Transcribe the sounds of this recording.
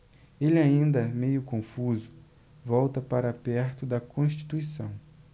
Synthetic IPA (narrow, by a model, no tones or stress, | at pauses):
elɪaĩnd̪ɐmejʊkõfuzʊ | vɔwt̪ɐpaɾɐapɛɾt̪ʊd̪ɐkõʃt͡ʃi̥t̪uisɐ̃w̃